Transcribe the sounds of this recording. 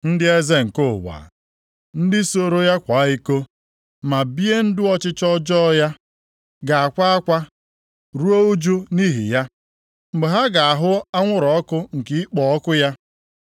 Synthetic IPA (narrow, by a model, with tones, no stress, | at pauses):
n̩˦dɪ˦e˦ze˦ŋ̩˨kʊ˦˨wa̰ː˨ | n̩˦dɪ˦so˦˨ɾo˦ja˦kʷa˨˦i˦ko˦ | ma˨bi˦e˦n̩˦dʊ˦ɔ˦t͡ʃɪ˦t͡ʃɔ˦d͡ʒɔ˦ja˦ | ɡa˨a˨kʷa˦a˦kʷa˦ | ɾu˦o˦u˦d͡ʒu˦ni˦ɦḭ˨ja˦ | ŋ͡m̩˨ɡ͡be˨ɦa˦ɡa˨a˨ɦʊ˦a˦ŋʷʊ˦ɾɔ˨ɔ˦kʊ˦ŋ̩˨ki˨ɪ˦k͡pɔ˨ɔ˦kʊ˦ja˦